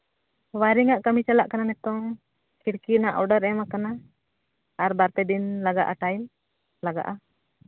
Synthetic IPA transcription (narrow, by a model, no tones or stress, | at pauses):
waɾiŋaʔkamit͡ʃalaʔkananɛt̪ɔŋ | kiɽkinaʔɔɖaɾɛmakanaː | ɾbaɾt̪ɛd̪inlaɡa̰ʔaʈajm | laɡa̰ʔa